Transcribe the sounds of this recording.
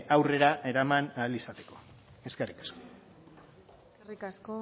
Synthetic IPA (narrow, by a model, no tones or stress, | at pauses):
ʔawre̞ɾaʔe̞ɾamanalisat̪e̞̥ko̞ | e̞ske̞rikḁsko | rikasko